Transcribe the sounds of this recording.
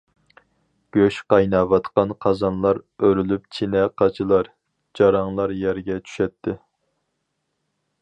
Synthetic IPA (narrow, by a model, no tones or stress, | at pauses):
ɡ̥ʲøʃqɑjnɑvɑt̪qɑnqʰɑzɑnlˠɑɾøɾylyp̚t͡ʃʰinɛqʰɑt͡ʃʰilˠɑɾ | d͡ʒɑɾɑŋlˠɑɾjɛɾɡʲɛt͡ʃʰy̥ʃɛt̪ʰːɪ